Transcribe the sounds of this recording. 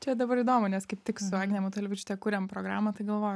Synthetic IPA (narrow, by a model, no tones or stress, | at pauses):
t͡ʃʲɛd̪ɐbɐɾɪid̪oːmʊnʲɛskɐɪp̚t̪ʲɪksʊɑːɡʲɪnʲɛmot̪olʲʋʲɪt͡ʃʲɪ̥t̪ʲɛkuːɾʲɛmpɾoːɡɾɑːmɐt̪ɐɪɡɐlˠʋoːj